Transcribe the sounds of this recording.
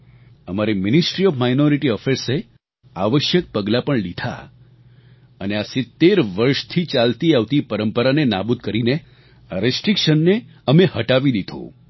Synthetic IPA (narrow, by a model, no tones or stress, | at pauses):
əmaɾimɪnɪsʈɾiɔfmajnoɾiʈiɔfʰeɾse | aʋəʃjək̚pəɡlapəɳlid̪ʱa̰ | əneasɪt̪ːeɾʋəɾʃt̪ʰit͡ʃalt̪iaʋt̪ipəɾəmpəɾanena̰bud̪̚kəɾine | ɾesʈɾikʃənːeəmehəʈaʋid̪id̪ʱõ̰